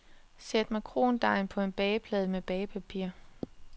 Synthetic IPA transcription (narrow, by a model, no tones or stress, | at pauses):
sed̥mækʰʁo̝ːnd̥ɑ̈ɪnpʰɒ̽e̝nb̥ɛːpʰlɛːðˠmeb̥ɛːɪpʰæpʰiɐ̰